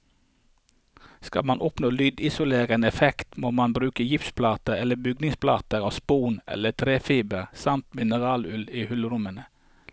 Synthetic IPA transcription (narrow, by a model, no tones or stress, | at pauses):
skɑ̰lmɑnʔɔpnoːlyːd̪ɪsʊleːʁəənɛfɛkt̪moːmɑnbɾʉːkəjɪfspʰlɑːt̪əɛləbʏɡnɪŋspʰlɑ̰ːt̪əɾɑːʋspuːnʔɛ̰lət̪ʰɾeːfiːbəɾsɑmt̪mɪnəʁɑːlʉliːhʉlɾʊmənə